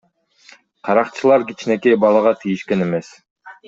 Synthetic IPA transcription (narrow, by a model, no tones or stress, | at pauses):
qʰɑɾɑqt͡ʃʰɯlˠɑɾkit͡ʃne̞kejbɑlˠɑʁɑt̪ʰijiʃke̞ne̞me̞s